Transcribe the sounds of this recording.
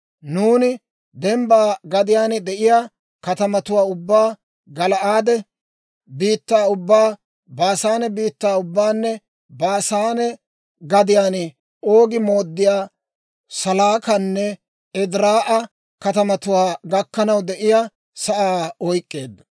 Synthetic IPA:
nuːnɪ | d̪ɛmbaːɡɐd̪ɪjaːnd̪ɛʔɪja | kɐt̪ɐmɐt̪ʊwaːʊbːaː | ɡɐlɐʔaːd̪ɛ | biːt̪ːaːʊbːaː | baːsaːnɛbiːt̪ːaːʊbːaːnːɛ | baːsaːnɛ | ɡɐd̪ɪjaːn | o̞ːɡɪmo̞ːd̪ːɪjaː | sɐlaːkɐnːɛ | ɛd̪ɾaːʔɐ | kɐt̪ɐmɐt̪ʊwaːɡɐkːɐnɐwd̪ɛʔɪjaː | sɐʔaːɔjkʼːe̞ːd̪ːɐ̥

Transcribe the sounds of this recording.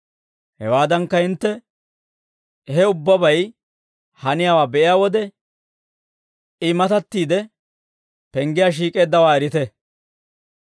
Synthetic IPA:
hɛwaːd̪ɐŋkːɐhɪnt̪ːɛ | ɦɛʊbːɐbɐj | hɐnɪjaːwaːbɛʔɪjaːwɔd̪ɛ | ɪmɐt̪ɐt̪ːiːd̪ɛ | pɛŋɡɪjaːʃ̬iːkʼe̞ːd̪ːɐwaːɛɾɪt̪ɛ

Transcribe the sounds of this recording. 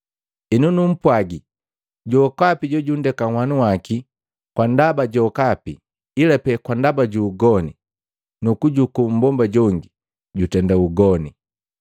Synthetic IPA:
inunum̩pwaɡi | ɟɔkapiɟɔɟundɛkawanuwaki | kwandabaɟɔkapi | ilapɛkwandabaɟuːɡɔni | nukuɟukum̩bɔmbaɟɔŋɡi | ɟutɛndauɡɔni

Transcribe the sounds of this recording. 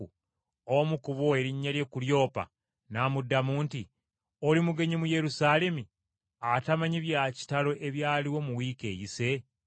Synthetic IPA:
u | omukuβo̞e̞ɾiɲːalje̞kuljo̞ːpa̰ | namudːamuːnti | olimuɡe̞ɲimuje̞ɾusaːle̞mi | atamaɲiβjaci̥talo̞ʔe̞βjaːliwo̞muwiːke̞ːjise̞

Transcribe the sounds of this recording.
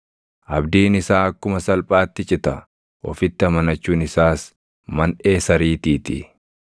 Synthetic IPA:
ʔɐbd̪iːnɪsaːɐkːʊmɐsɐlpʼaːt̪ːɪt͡ʃʼɪt̪ɐ | ʔɔ̰fɪt̪ːɪɐmɐnɐt͡ʃːuːnɪsaːs | mɐne̞ːsɐɾiːt̪iːt̪ɪ̰

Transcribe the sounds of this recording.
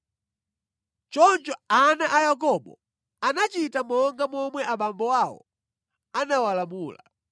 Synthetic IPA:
t͡ʃɔnt͡ʃɔanaʔajak̬ɔɓɔ̰ | anat͡ʃitamɔŋɡamɔmwɛʔaɓambɔwawɔ̰ | anawalamuːla̰

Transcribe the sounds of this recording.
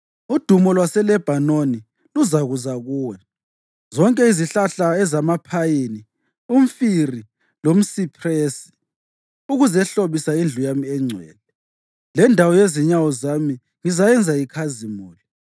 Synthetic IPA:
ud̥ʱumɔlwasɛlɛb̥ʱanoni | luzaɣuzaɣuːwɛ | zɔŋkʼɛiziɬaɬaɛzamapʰajini | um̩firi | lom̩sipʰreːsi̥ | uɣuzɛɬoβisaind͡ɮʱujamiɛŋ͡ǀʱwɛ̰ːlɛ | lɛndʱawɔjeziɲawɔzami | ŋizajɛnd͡zʱaikʰazimuːli

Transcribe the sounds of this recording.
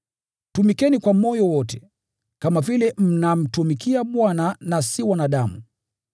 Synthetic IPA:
tumikɛnikwamɔjɔwɔtɛ | kamavilɛm̩nam̩tumikiaɓwananasiwanaɗamu

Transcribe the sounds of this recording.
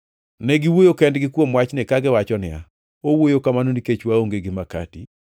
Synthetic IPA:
nɛɡiwojokɛndɡɪkwomwat͡ʃnɪkaɡɪwat͡ʃɔnɪa̰ | owojokamanoniket͡ʃwaoŋɡeɡɪmaka̰ti

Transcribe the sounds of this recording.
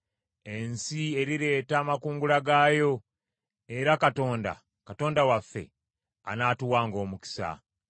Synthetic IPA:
e̞nsie̞ɾiɾe̞ːtaːmakuːŋɡulaɡaːjo̞ | e̞ɾakato̞ːnda̰ | kato̞ːndawafːe̞̰ | a̰naːtuwaːŋɡo̞ːmuki̥sa̰

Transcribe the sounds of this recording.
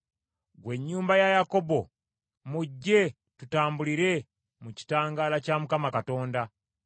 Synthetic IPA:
ɡwe̞ɲːuːmbajajako̞bo̞ | muɟːe̞ | tutaːmbuliɾe̞ | muci̥taːŋɡaːlacamukamakato̞ːnda

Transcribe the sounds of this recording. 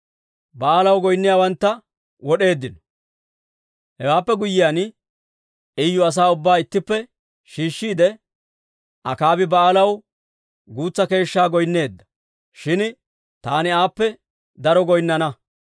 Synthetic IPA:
bɐaːlɐwɡɔjnːɪjaːwɐnt̪ːɐ | wɔɗe̞ːd̪ːɪnɔ̥ | hɛwaːpːɛɡʊjːɪjaːn | ɪjːʊɐs̬aːʊbːaːɪt̪ːɪpːɛ | ʃiːʃːiːd̪ɛ | ʔɐkaːbɪbɐaːlɐw | ɡuːt͡sːɐke̞ːʃːaːɡɔjnːe̞ːd̪ːɐ̥ | ʃɪn | t̪aːnɪaːpːɛ | d̪ɐɾɔɡɔjnːɐnɐ

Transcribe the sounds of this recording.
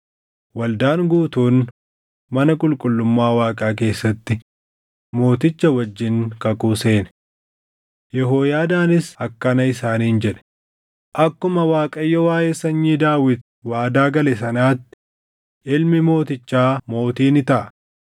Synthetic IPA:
wɐld̪aːŋɡuːt̪uːn | mɐnɐkʼʊlkʼʊlːʊmːaːwaːkʼaːk̬e̞ːsːɐt̪ːɪ | mo̞ːt̪ɪt͡ʃːɐwɐd͡ʒːɪŋkɐkʼuːse̞ːnɛ̥ | jɛɦoːjaːd̪aːnɪsɐkːɐnɐɪsaːniːnd͡ʒɛᶑɛ̥ | ʔɐkːʊmɐwaːkʼɐjːɔwaːjeːsɐɲːiːd̪aːwɪt̪ | waːd̪aːɡɐlɛs̬ɐnaːt̪ːɪ̥ | ʔɪlmɪmo̞ːt̪ɪt͡ʃːaːmo̞ːt̪iːnɪt̪ɐʔɐ

